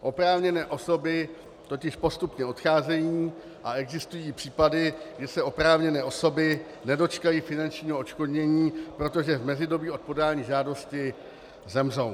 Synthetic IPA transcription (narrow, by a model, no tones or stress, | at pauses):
ʔo̞pɾaːvɲɛnɛːʔoso̞bɪ | t̪o̞cɪʃpo̞st̪upɲɛo̞t̪xaːzɛjiiː | ʔaɛɡzɪst̪ujiːɪpr̥iːpadɪɡɛsɛo̞pɾaːvɲɛnɛːʔo̞so̞bɪ | nɛdo̞t͡ʃkajiːfɪnant͡ʃɲiːɦoot͡ʃko̞dɲɛɲiːpɾo̞t̪o̞ʒɛvmɛzɪdo̞biːʔo̞t̪̚po̞daːɲiːʒaːdo̞scɪ | zɛmro̞w